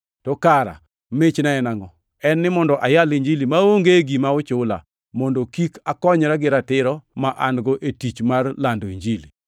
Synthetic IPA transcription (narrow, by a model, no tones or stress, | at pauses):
tɔkaɾa̰ | met͡ʃnaɛnaŋɔ | ɛnːɪmɔndɔʔajaliɲd͡ʒilimaoŋɡeɡimaʊt͡ʃʊla̰ | mɔndokikakɔɲɾaɡɪɾatɪɾɔmaʔanɡɔʔetit͡ʃmarlandoiɲd͡ʒili